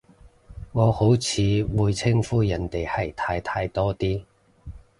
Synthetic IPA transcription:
ŋɔː˨˧ho˨˥wt͡sʰiː˨˧wuː˨˧jt͡sʰɪ˥ŋfuː˥jɐ˨˩nt̪e˨jhɐ˨˩jt̪ʰaː˧jt̪ʰaː˧jt̪ɔː˥t̪iː˥

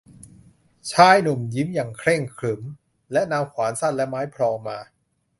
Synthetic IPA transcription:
t͡ɕʰaː˦˥jnu˨˩mji˦˥mjaː˨˩ŋkʰɾe˥˩ŋkʰlɯ˩˦m | lɛ˦˥ʔnaː˧wkʰwaː˩˦nsa˥˩nlɛ˦˥ʔmaː˦˥jpʰɾɔː˧ŋmaː˧

